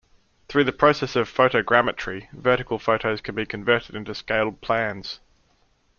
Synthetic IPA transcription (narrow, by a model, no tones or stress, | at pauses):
θɹʉːðəpʰɹ̥əʊsɛsəv̥fəʊɾəʊɡɹæmət͡ʃəɹ̥ivɜˑɾɪkəlˠfəʊɾəʊz̥kʰə̃nbikʰə̃ɱvɜˑɾɪdɪ̃ntʉskeɪlˠd̚pʰl̥æ̃nz̥